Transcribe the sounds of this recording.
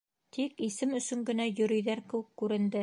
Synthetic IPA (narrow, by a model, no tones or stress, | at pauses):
t̪ʰikisɘmɵ̆sɵ̆ŋɡɘ̆næjɵ̆ɾɵ̆jðæɾkɘ̆wɘ̆kːʉɾɘ̆nd̪ɘ